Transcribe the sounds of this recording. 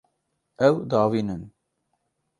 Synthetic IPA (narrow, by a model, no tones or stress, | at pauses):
ɛwd̪ɑːwiːnɨn